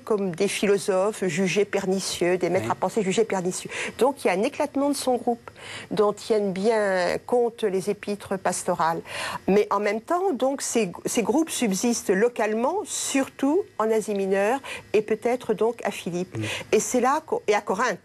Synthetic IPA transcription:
kɔmd̪efilɔzɔfʒyʒepɛʁnisjød̪emɛt̪χapɑ̃seʒyʒepɛʁnisjød̪ɔ̃kiljaɛ̃neklat̪mɑ̃d̪əsɔ̃ɡʁupd̪ɔ̃t̪jɛnbjɛ̃kɔ̃t̪lezepit̪χəpast̪ɔʁalmɛʔɑ̃mɛmt̪ɑ̃d̪ɔ̃kseseɡʁupsybzist̪lɔkalmɑ̃syʁt̪uɑ̃nɛziminœːʁepøt̪ɛt̪χəd̪ɔ̃ka̰filipesɛlakɔ̃eakɔʁɛ̃t̪

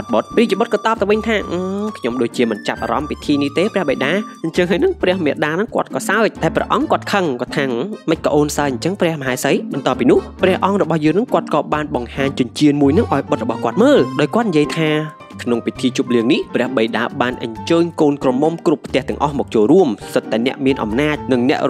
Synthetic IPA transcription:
ɑt̪̚ɓot̪̚priət͡ɕiɓot̪̚kɑːt̪ɑːp̚t̪aʋɨɲt̪ʰaːʔːkʰɲomɗoːc̚t͡ɕiəmɨnt͡ɕap̚ʔa̰ːɾɑmpit̪ʰiːniht̪eːprɛ̆əhɓəjɗaːɲt͡ɕəŋɦaːjnɨŋprɛ̆əhmɛəʔɗaːnɨŋkŏət̪̚kɑːsaəc̚ɗaɛlprɛ̰əʔɑŋkŏət̪̚kʰəŋkɑːt̪ʰaːŋməc̚kəʔoːnsaəɲt͡ɕəŋprɛ̆əhməɦaɛsəjɓɑnt̪ŏəpːiːnʊ̆əhprɛ̆əhʔɑŋrɔɓɑhjəːŋnɨŋkŏət̪̚kɑːɓaːnɓɑŋhaːɲt͡ɕʊəɲt͡ɕiənmuəjnɨŋʔa̰ɔjɓət̪̚rɔɓɑhkŏət̪̚məːlɗaɔjkŏət̪̚nijiəjt̪ʰaː | kʰnoŋpit̪ʰiːt͡ɕuːp̚liəŋnihprɛ̆əhɓəjɗaːɓaːnʔə̰ɲt͡ɕəːɲkoːnkromomkrupʰːt̪ɛ̆əht̪ɛ̆əŋʔɑhmɔːk̚t͡ɕoːlruəmsət̪ːaɛnɛ̆əʔmiənʔɑ̰mnaːc̚nɨŋnɛ̆əʔr

